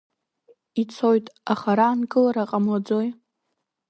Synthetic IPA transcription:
it͡sʰo̞jtʼaχaɾaːnɡɨlaɾaqʼamlad͡zo̞j

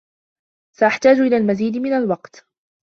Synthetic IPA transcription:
saʔaħt̪aːd͡ʒʔɪlaːlmaziːd̪mɪnalwɑqt̪

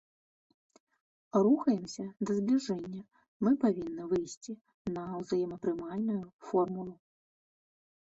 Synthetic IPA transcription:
ruxɐjɛmsʲɐd̪ɐzblʲiʐɛnʲːɐ | mɨpavʲinːɨvɨjsʲt͡sʲi | nɐwzajɛmɐpɾɨmalʲnujufɔrmulˠu

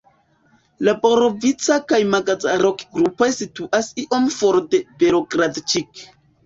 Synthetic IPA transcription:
laboɾovit͡sakajmaɡazaɾo̞kɡɾupo̞jsituʔasiʔo̞mfoɾde̞beɾoɡɾadt͡ʃik

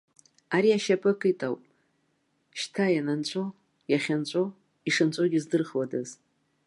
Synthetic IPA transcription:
aɾiaʃapʰʼɨkʰʼɨtʼawpʼ | ʃtʰajanant͡ʃʷʼo | jaχʲant͡ʃʷʼo | iʂɨnt͡ʃʷʼoɡʲɪzdɨrχwadɨz

